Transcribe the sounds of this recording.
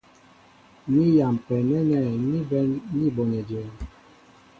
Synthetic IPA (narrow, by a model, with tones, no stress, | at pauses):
mi˦ja˨m̩˨pɛ˨mɛ˦nɛ˦˨i˦bɛ˦ni˦bo˨nɛ˨de˨